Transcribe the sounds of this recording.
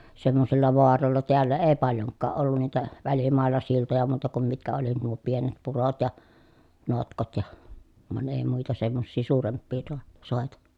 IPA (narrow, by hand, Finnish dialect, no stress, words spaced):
semːosilːɑ ʋoɑrolːɑ teælːæ eː pɑljoŋkːɑː ʔolːun niːtæ ʋælimɑˑelˑɑ siltojɑ muːtɑ kum mitkæ oli nuo pienet purot jɑ notkot jɑ ʋɑn eˑi muitɑ semːosːiː suːrempːiː toɑ soˑetɑ